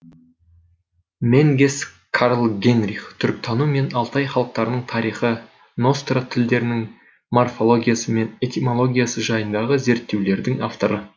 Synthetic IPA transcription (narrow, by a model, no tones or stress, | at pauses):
meŋɡʲes | kʰaɾlˠɡʲe̞nrʲiχt̪ʰʏɾk̚t̪ʰɑnume̞nɑlˠt̪ɑjχɑlˠəq̚t̪ɑɾnəɴt̪ʰɑɾijχə | no̞st̪rat̪ʰɪld̪e̞ɾɪnɪŋ | morfo̞lˠo̞ɡʲijasəme̞ne̞t̪imo̞lˠo̞ɡʲijasəʒɑjənd̪ɑʁəze̞ɾt̪ːe̞wle̞ɾd̪ɪŋaft̪o̞ɾə